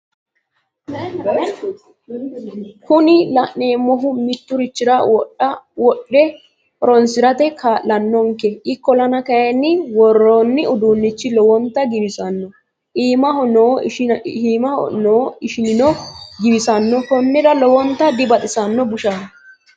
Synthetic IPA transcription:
kʰʊnɪlɐʔne̞ːmːɔɦʊmɪt̪ːʊɾɪt͡ʃːɪɾɐwwɔɗːɛ | pɔɾɔnsɪɾɐt̪ɛkʰaːllɐnːɔŋkɛʔɪkːɔlɐnɐkɐjɐnːɪwɔrːoːnːɪʊd̪uːnːɪt͡ʃːɪlɔwɔnt̪ːɐɡɪbɪsɐnːɔ | ʔiːmɐhɔnoː | iːmɐ̰noːɪʃɪnɪnɔɡɪbɪsɐnːɔkɔnːɛd̪ɐlɔwɔnt̪ːɐd̪ɪbɐt̪ʼɪsɐnːɔbʊʃan

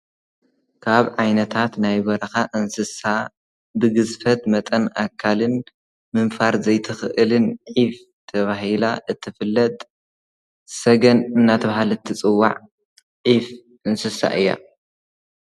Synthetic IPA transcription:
kʰaβʕajnɐt̪ʰat̪najbɐɾɐxaʔɨnsɨsa | bɨɡɨzfɐt̪mɐt̪ʼɐna̰kʰːalɨn | mɨnfaɾzɐjt̪ʰɨxʔɨlɨnʕif | t̪ʰɐβaɦila̰ʔɨt̪ʰːɨfɨlːɐt̪ʼ | sɐɡɐnɨnːat̪ʰɐβahalɨt̪ʰɨt͡sʼɨwːa̰ʕ | ʕif | ɨnsɨsa̰ʔɨjːa̰

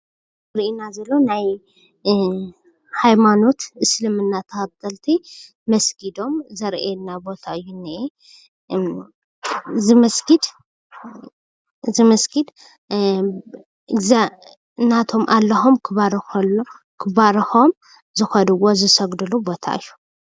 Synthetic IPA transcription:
ɾinazɐlːo̞naj | hajmano̞t̪ɨslɨmɨnːat̪ʰɐxɐd̪ɐlt̪ʰi | mɐsɡid̪o̞mzɐɾʔenːabo̞t̪ʰaɨjːuni | zɨmɐsɡid̪ | zɨmɐsɡid̪ | ɨɡza | nːat̪ʰo̞mʔalːɐxomkʰɨβaɾxol | kʰɨbaɾɐxo̞m | zɨxɐnɨwo̞zɨsɐɡd̪ɨlubo̞t̪ʰa̰ʔɨjːu

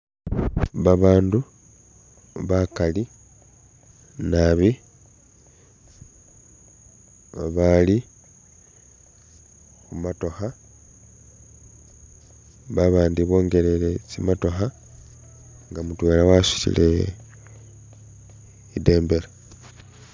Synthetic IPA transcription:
βaβaːndu | βakali | naβi | βaβali | kumato̞xa | βaβaːndiβo̞ːŋɡe̞lelet͡simato̞xa | ŋɡamutwe̞ːlawasi̥cḭle̞̰ | ide̞ːmbe̞la

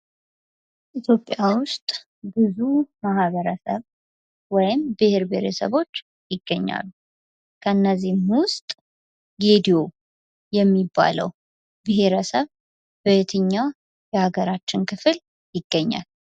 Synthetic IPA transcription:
ʔit̪ʰjo̞pʼːjawʊst̪ʼ | bɨzumaɦβəɾəsə̰β | wɔjɪmbɨheɾbeɾɛsə̰βo̞t͡ʃː | jɪɡːəɲːa̰lːu | kʰəɨnːəzːihmwʊst̪ʼ | ɡed̪ijo̞ | jɛmːibːa̰lə̰w | bɨɦe̞ɾəsəβ | bət̪ʰɨɲːa | jɛhaɡəɾat͡ʃːɪnkʰɨfɨl | jɪɡ̥ːəɲːa̰l

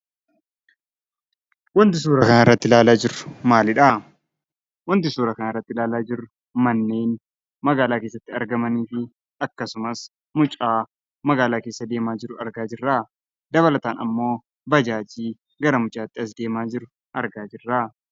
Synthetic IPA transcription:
wɔnt̪ɪsuːɾɐkɐnɪrːɐt̪ːɪlaːlaːd͡ʒɪrʊmaːlɪᶑa | wɔnt̪ɪsuːɾɐkɐnɐrːɐt̪ːɪlaːlaːd͡ʒɪɾʊ | mɐnːe̞ːn | mɐɡaːlaːkeːs̬ːɐt̪ːɪɐɾɡɐmɐniːfɪ | ɐkːɐsʊmɐs | mʊt͡ʃʼaː | mɐɡaːlaːke̞ːsːɐd̪e̞ːmaːd͡ʒɪɾʊɐɾɡaːd͡ʒɪrːaː | d̪ɐβɐlɐt̪aːnɐmːo̞ː | bɐd͡ʒaːd͡ʒiː | ɡɐɾɐmʊt͡ʃʼaːt̪ːɪɐs̬d̪e̞ːmaːd͡ʒɪɾʊ | ʔɐɾɡaːd͡ʒɪrːaː

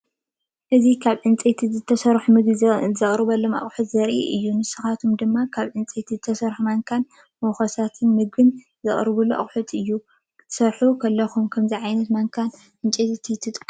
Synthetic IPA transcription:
ʔɨzikʰaβʕɨnt͡sʼet̪ʰizɨt̪ʰːɐsɐɾħumɨɡzɐχʼɾɨβɐlːoma̰χʼħut̪zɐɾʔḭʔɨjːunɨsɨxat̪ʰomd̪ɨmːakʰaβʕɨnt͡sʼet̪ʰizɨt̪ʰɐsɐɾħumaŋkʰan | moxɐsat̪ʰɨnmɨɡ̚bɨn | zɨχʼɾβuloʔa̰χʼħut̪ʼɨjːu | t̪ʰɨ̥sɐɾħukʰɐlːɐxumkʰɐmziʕajnɐt̪maŋkʰan | ʔɨnt͡ʃʼet̪ʼt̪ʰit̪ʰːɨt̪ʼkʼ

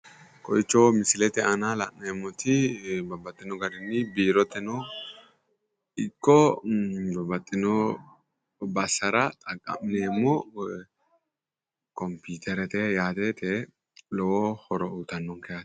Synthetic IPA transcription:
kʰʼɔ̰jt͡ʃːɔmɪsɪlɛt̪ɛɐnalɐ̰ʔnemːɔt̪ɪbɐbɐt̪ʼːɪnɔɡɐd̪ɪnːɪbiːɾɔt̪ːɛnɔ | ɪkːɔ | bɐbɐt̪ʼːɪnɔ | bɐsːɐɾɐt̪ʼɐkʼːɐ̰mɪneːmːɔ | kɔmpiːt̪ʰɛɾɛt̪ɛjaːt̪et̪ɛ | lɔwɔhɔɾɔuːt̪ɐnːɔŋkɛjat̪

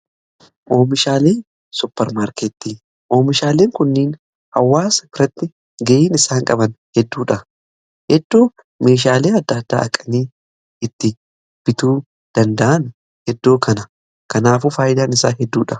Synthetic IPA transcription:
ʔo̞ːmɪʃaːleːn | sʊpːɛɾmaːɾket̪ːiː | ʔo̞ːmɪʃaːleːŋkʊnːiːn | hɐwːaːspɾɐt̪ːɪ | ɡɐʔiːnɪsaːŋkʼɐbɐnhɛd̪ːuːᶑɐ | hɛd̪ːo̞ː | me̞ːʃ̬aːleːɐd̪ːɐd̪ːa̰ːɐkʼɐniː | ɪt̪ːɪ | b̥ɪt̪uː | d̪̥ɐnd̪ɐʔɐn | hɛd̪ːo̞ːkʰɐnɐ | kɐnaːfuːfaːjʔɪd̪aːnɪsaːɦɛd̪ːuːᶑɐ

